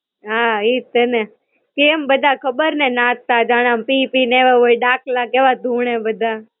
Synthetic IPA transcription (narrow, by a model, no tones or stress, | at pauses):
ɦait̪ene | kembəd̪ʱakʰəbəɾnenãtt̪ad͡ʒaɽ̃ampipineʋeʋoiɖaːklakeʋad̪ʱũɳ̃ebəd̪ʱa